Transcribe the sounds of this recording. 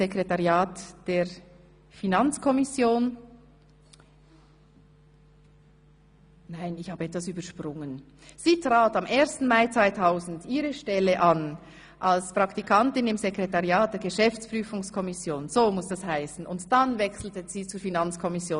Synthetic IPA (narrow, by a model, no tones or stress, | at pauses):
zekʁetaʁjaːtd̥eːɐ | finant͡skʰɔmɪsjoːn | naɪnɪçhaːbəɛtvasyːbɐʃpʁʊŋən | z̥iːtʁ̥aːtameːɐstn̩maɪt͡svaɪtʰaʊzn̩diːʁəʃtɛləʔan | ʔalspʁ̥ɑktikʰantɪnɪmzekʁetaʁjaːt̚d̥eːɐɡəʃɛft͡spʁ̥yːfʊŋskʰɔmɪsjoːnz̥oːmʊsd̥ashaɪsn̩ʊntd̥anvɛksl̩təz̥iːt͡suːɐfinant͡skʰɔmɪsjoːn